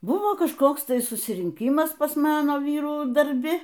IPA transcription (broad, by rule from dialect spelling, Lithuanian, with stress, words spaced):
ˈbʊʋoː kɐʃˈkoːks ˈtɐɪ sʊsʲɪrʲɪŋʲˈkʲiːmɐs pɐs ˈmɑːnoː ˈʋʲiːruː dɐrʲˈbʲɪ